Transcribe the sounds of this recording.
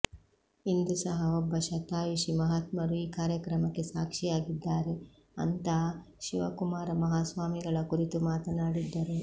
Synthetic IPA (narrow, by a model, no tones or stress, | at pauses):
ind̪usɐɦɐɔbːɐʃɐt̪aːjuʃimɐɦaːt̪mɐɾuiːkaːɾjɐkɾɐmɐkːe̞saːkʂijaːɡid̪ːaːɾe | ɐ̰nt̪ɐ | ʃiʋɐkumaːɾɐmɐɦaːsʋaːmiɡɐɭɐkuɾit̪umaːt̪ɐnaːɽid̪ːɐɾe